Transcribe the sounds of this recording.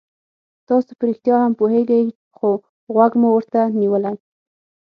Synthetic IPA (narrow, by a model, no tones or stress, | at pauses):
t̪ɑsopəɾɪxt̪jɑhampoheɡaj | xo | ɣwaɡmuwəɾt̪aniwəla